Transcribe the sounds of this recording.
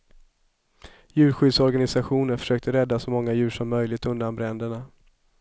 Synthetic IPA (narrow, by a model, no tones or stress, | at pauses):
jʉ̟ːɾɧʏːd̪sɔɾɡanɪsaɧuːnəɾfœ̥ʂøːkt̪əɾɛd̪ːasɔmɔŋːajʉ̟ːʂɔmːœjlɪɡt̪ɵnd̪anbɾɛnd̪əɳa